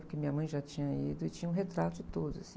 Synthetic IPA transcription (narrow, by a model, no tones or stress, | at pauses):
pʊkɪmĩɲɐmɐ̃j̃ʒat͡ʃĩɲɐid̪ʊɪt͡ʃĩɲɐ̃ũɦet̪ɾat̪ʊd͡ʒɪt̪od̪ʊza̰sĩ